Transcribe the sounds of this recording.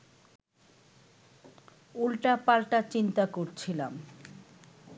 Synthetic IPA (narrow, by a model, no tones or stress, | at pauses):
ulʈapalʈat͡ɕint̪akoɾt͡ɕʰilam